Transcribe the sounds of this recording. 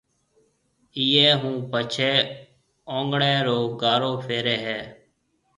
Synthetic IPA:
iːeːɦũːpət͡ʃʰeː | õːŋɡɳẽːɾoːɡaːɾoːpʰeːɾeːɦɛː

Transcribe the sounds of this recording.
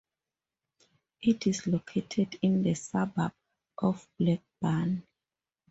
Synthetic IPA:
ʔitʰislokʰetʰɛdĩnðəsabab̚ | ʔɔfb̥lɛk̚b̥ãn

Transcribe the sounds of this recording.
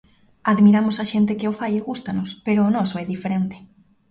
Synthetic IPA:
aðmiɾamʊsaʃent̪ɪkɪʊfajeɣust̪anʊspeɾoːnɔsoɛðifeɾent̪ɪ̥

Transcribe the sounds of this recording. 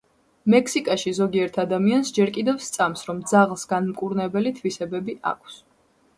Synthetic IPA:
mɛkʰsikʼaʃizɔɡiɛɾt̪ʰad̪amiansd͡ʒɛɾkʼid̪ɛvst̪sʼamsɾɔmd̪zaʁlˠsɡanmkʼuɾnɛbɛlit̪ʰvisɛbɛbiʔa̰kʷʰs

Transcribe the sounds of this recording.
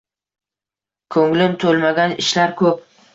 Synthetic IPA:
kʰɵŋlɪmt̪ʰolˠmaɡʲanɪʃlaɾkʰɵp̚

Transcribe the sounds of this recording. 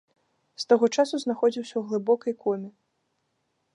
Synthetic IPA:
st̪aɣɔt͡ʂasuznaxɔd͡zʲiwsʲɐwɣlˠɨbɔkɐjkʰɔmʲi

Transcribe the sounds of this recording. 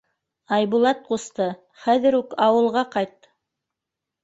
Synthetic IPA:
ɑjβulˠɑt̪̚qust̪ɤ | χæðɘ̆ɾʉkɑwɤ̆lˠʁɑqɑjt̪̚

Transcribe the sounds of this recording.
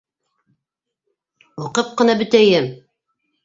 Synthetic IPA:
uqɤp̚qɤ̆nɑbɵ̆t̪æjɘm

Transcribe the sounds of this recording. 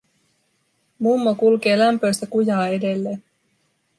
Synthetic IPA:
mumːokulke̞ːlæmpøjst̪ækujɑːe̞de̞lːe̞ːn

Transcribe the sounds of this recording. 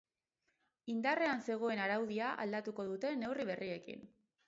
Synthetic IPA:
ind̪are̞anse̞ɣ̞o̞e̞naɾawðiaʔa̰ld̪at̪uko̞ðut̪e̞ne̞wriβ̞e̞rie̞kḭn

